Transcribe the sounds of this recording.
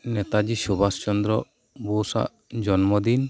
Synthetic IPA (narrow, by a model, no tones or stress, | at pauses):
nɛt̪ad͡ʒisubast͡ʃɔnd̪ɾɔ | bɔsa̰ʔ | d͡ʒɔnmɔd̪in